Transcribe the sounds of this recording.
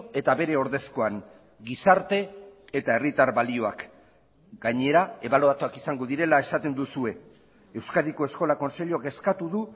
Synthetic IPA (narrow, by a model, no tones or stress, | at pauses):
e̞t̪aβe̞ɾe̞o̞ɾðe̞sko̞aŋ | ɡisaɾt̪e̞ːt̪ae̞rit̪aɾβalio̞ak | ɡaɲe̞ɾae̞βalo̞at͡soakisaŋɡo̞ðiɾe̞lae̞sat̪e̞nd̪usue̞ | ewskaðiko̞e̞sko̞lako̞nse̞ʎoake̞skat̪uðu